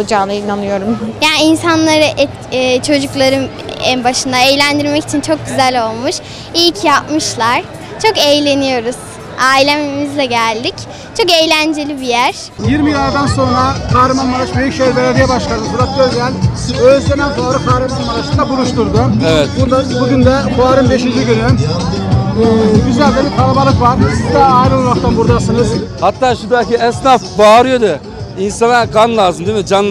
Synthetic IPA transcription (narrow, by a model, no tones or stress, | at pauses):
d͡ʒaːnɯinanɯjo̞ɾumjaːniinsanlˠaɾɯʔː | t͡ʃʰo̞d͡ʒuklˠaɾɯn | ɛnbaʃɯnd̪aejlʲænd̪iɾmɛci̥t͡ʃʰint͡ʃʰo̞k̚ɟyzælʲo̞lˠmuʃ | ilʲcʰjapmɯʃlˠaɾ̥ | t͡ʃʰo̞kejlʲe̞nijo̞ɾuz̥ | aːilʲemimizlʲɛɟælʲd̪ic | t͡ʃʰo̞kejlʲænd͡ʒe̞lʲibijæɾ̥ | jiɾmilʲaɾd̪ænso̞nɾakʰaːɾɯmanmaɾat͡ʃbøjycʃejɾvʲeɾad̪ajɛbaʃlˠaɾɯbulˠap̚bøzʲjænʲ | øzlʲenænbaaɾɯkʰaːɾɯmanmaɾat͡ʃɯnd̪abulˠuʃt̪uɾd̪ʊevɛt̪̚buɾd̪ˠabuɟʲynd̪ɛbuaɾɯmb̪e̞ʃind͡ʒiɟyny | ɛːɟyzælʲd̪ɛbiɾpʰaɾˠabalˠɯkvaɾd̪ɯizd̪aːjɾɯt̪ʰaɾaft̪ʰanbuɾd̪asɯnɯzhat̪ʰːaːʃud̪aciɛsnafbaːɾɯjo̞d̪ɯ | insanakʰanlˠaːzɯmd̪imid͡ʒan